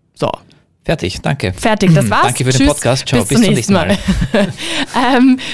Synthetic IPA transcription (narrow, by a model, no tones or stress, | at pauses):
z̥o̰ː | fɛɐtʰɪ̰çd̥a̰ŋkʰə̰fɛɐtɪçd̥asv̥aːɐaŋkəfyɐeysɔkʰaːstt͡ʃabɪt͡sb̥ɪʊmnɛːçsnn̩maːl | ʔɛm